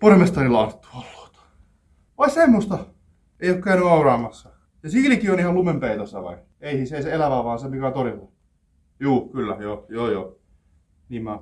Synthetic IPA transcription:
poremest̪ɑrilɑːˑt̪et̪ːu̥ɑlːo̥ːt̪ɑ̥ | ʋɑisemːost̪ɑ | eˑiokkæynyɑurɑːmɑsːɑ | jɑsiːlkionihɑllumempeit̪osːæ̰ʋɑ̰i | eisiːseiseelæʋæʋɑːnsepikæːt̪orit̪ːɑ | juːkylːæ̰joːjoːjoː | niːmmæ

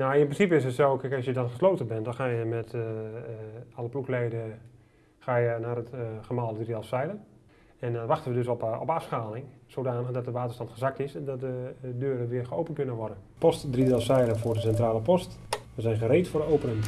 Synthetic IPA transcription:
nawɪnprɪnsipəɪs̬ətsokɪkɑsjədɔnχə̥sloːtəbɛndɔnxaːjəmɛt | ɑləpluklejdə | xaːjənaːrətχəmalˠdədridɛlˠsɛjlə | ɛndɔnʋaxtəʋədøsɔ̰pafsxaːlɪŋsodaːnəɣdɔt̚dəʋaːtərstɑntχəzak̚tɪsɛndɔt̚dədøːɾəʋɪːxəowpənkønəʋɔrdən | pɔstdridɛlˠsɛjɾəfʊːrdəsɛntraːləpɔstʋəzɛjnχəɾeːtfʊrdəowpənəŋ

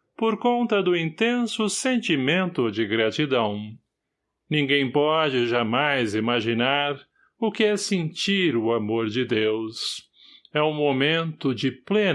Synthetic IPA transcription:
poɾkõnt̪ɐd̪ʊĩnt̪ẽsʊsẽnt͡ʃimẽnt̪ʊd͡ʒɪɡɾat͡ʃid̪ɐ̃w̃ | nĩŋɡẽj̃pɔd͡ʒɪʒamajzimaʒinaɾ | ʊkɪɛsẽnt͡ʃiɾʊamoɾd͡ʒɪd̪ews | ɛũmomẽnt̪ʊd͡ʒɪple

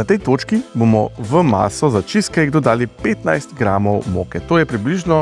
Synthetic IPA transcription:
nat̪ɛjt̪oːt͡ʃkiboːmɔʋəma̰ːsɔzat͡ʃiskaiɣd̪od̪aːlipeːt̪najst̪ɡɾaːmɔwmoːkɛt̪oːjɛpɾibliʒnɔ

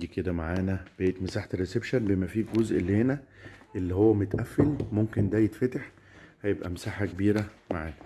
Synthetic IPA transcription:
iked̪æmaʕaːnæb̥eet̪mesaːħt̪ɾesebʃænbemæfiːkɡozʔleːnæʔelːihowːæmot̪ʔæfːelmomkend̪æjet̪fæt̪eħ | hæjebʔæmesaːħakebiːɾæmaʕaːnæ

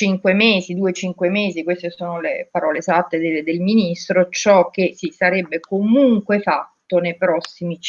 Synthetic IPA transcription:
t͡ʃiŋkwemeːzid̪uːet͡ʃiŋkwemeːzikwest̪esoːnolepaɾɔːlesat̪ːed̪ed̪elminist̪ɾot͡ʃɔk̟ːesisaɾebːekomuŋkwefat̪ːonejpɾɔsːimi

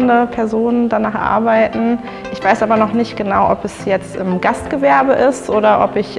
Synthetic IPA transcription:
ndəpʰɛɐzoːnəndanaːχʔa̰ɐbaɪtn̩ | ʔɪçv̥aɪsʔaːbɐnɔχnɪçt̚ɡ̥ənaʊʔɔpɛsjɛt͡stɪmɡastɡ̥əvɛɐbəʔɪstʔoːɾɐʔɔpɪç

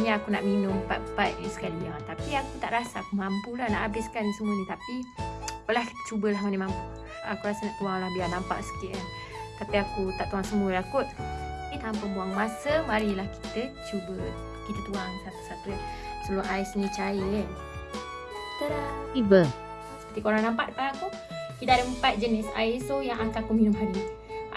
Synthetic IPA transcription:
ɲaakunaʔminʊmpapaʔsə̥kaliat̪apiakut̪aʔɾasaːkumampulahnaʔabɪskanisəmuɲit̪apipəlahkt͡ʃubəlaɦmanimampu | a̰kuɾasanaʔt̪uaŋlahbianampa̰ʔsə̥kɪʔa | t̪apiakut̪aʔt̪uɦaŋsəmulakʊt̪̚ait̪aampəbuaŋmasəmaɾilahki̥t̪ət͡ʃubə | kit̪ət̪uaŋsat̪u̥sat̪ut̪̚səbloʔaisɲət͡ʃaɪʔ | t̪əɾat̪ibə | sə̥pərt̪ikoɾaŋnampaʔd̪əpanaku | kit̪əadəəmpat̪̚d͡ʒənɪsa̰isojaŋakakuminʊmɦaɾi

